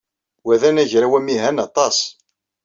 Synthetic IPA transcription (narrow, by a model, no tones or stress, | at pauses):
wæðænæʝɾæwæmiɦænɑt̪ˤɑs